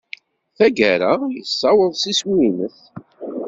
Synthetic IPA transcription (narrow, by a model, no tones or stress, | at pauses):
θæɡæɾajəsːɑwəðˤsiswinəθ